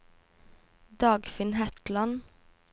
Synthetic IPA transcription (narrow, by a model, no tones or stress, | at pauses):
d̪ɑːɡfɪnhæt̪lɑn